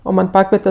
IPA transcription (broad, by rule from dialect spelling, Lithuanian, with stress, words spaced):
oː ˈmɐnʲ ˈpɑːkʋʲiɛtʲɛ